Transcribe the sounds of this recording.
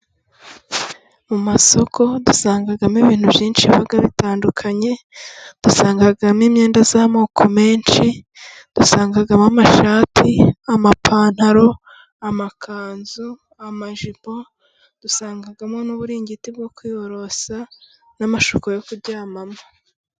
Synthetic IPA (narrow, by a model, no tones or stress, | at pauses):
mumaso̞kʰo̞dusaːŋɡaɡamiβiːn̥hubjiːnʃiβaɡaβitaːndukʰaɲe̞ | d̥usaːŋɡaɡamiːmɲe̞ːndazaːmoːkʰo̞me̞ːnʃi | d̥usaːŋɡaɡamamaʃaːtʰiamapʰaːn̥haɾo̞ | amakʰaːnzu | amaʒibo̞ | d̥usaːŋɡaɡamŋo̞nuβuɾiːɲɟitib̚ɡo̞kwiːoɾo̞sa | namaʃokojokubɟaːmama